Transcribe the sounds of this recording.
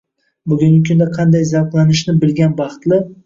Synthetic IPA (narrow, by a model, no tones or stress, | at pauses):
bʊɡʲʊŋʲɪkʰʲʊnd̪aqʰɑnd̪ajzawqlˠanɪʃnɪbɪlɡʲanbɑχt̪lɪ